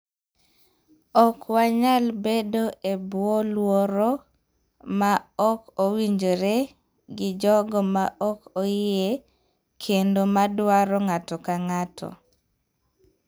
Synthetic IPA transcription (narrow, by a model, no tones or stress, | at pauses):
ɔkwaɲalbedoʔebwɔlwɔɾɔ | maɔkowiɲd͡ʒoɾe | ɡɪd͡ʒɔɡɔmaʔɔkoɪe | kʰendomadwaɾɔŋatɔkaŋatʰɔ̰